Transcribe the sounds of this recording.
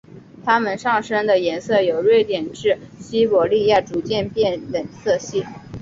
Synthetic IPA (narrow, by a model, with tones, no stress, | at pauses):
t̪ʰa˥mə˨nʂɑ˥˩ŋʂɤ˥ŋd̪ə˨jɛ˧˥nsɤ˥˩jo˨˩ʊɻwe˥˩ɪt̪jɛ˨˩nʈ͡ʂɻ̩˥˩ɕi˥pwɔ˨˩li˥˧ja˥˩ʈ͡ʂu˨˩t͡ɕjɛ˥˧npjɛ˥˩nlə˨˩nsɤ˥˧ɕi˥˩